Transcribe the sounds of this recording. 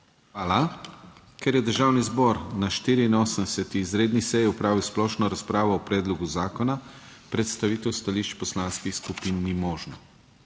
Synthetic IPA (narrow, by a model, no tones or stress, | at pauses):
xʋaːla | kɛɾjɛd̪əɾʒaːwnizbɔɾnaʃt̪iːɾiːnoːsənsɛt̪iːzɾeːd̪nisɛjiupɾaːʋiwsplɔːʃnɔɾaspɾaːʋɔːpɾɛːd̪lɔɡuzaːkɔna | pɾɛt̪st̪aʋiːt̪ɛwst̪aliʃt͡ʃpɔslaːnskixskupinːimɔːʒnɔ